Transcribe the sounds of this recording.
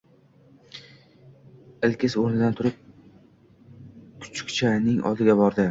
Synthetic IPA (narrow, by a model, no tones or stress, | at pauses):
ɪlkʲʰɪsoɾnɪd̪ant̪ʰʊɾɪp̚ | kʰʊ̥t͡ʃʰɪ̥kʲt͡ʃʰanɪŋɒ̰lˠd̪ɪɡʲabɒɾd̪ɪ